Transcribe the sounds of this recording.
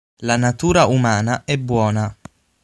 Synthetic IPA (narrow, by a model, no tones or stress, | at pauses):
lanat̪uːɾaumaːnaʔɛbːwɔːna